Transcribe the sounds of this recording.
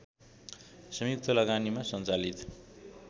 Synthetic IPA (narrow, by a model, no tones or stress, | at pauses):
sʌmjuk̚t̪ʰʌlʌɡanimasʌnt͡salit̪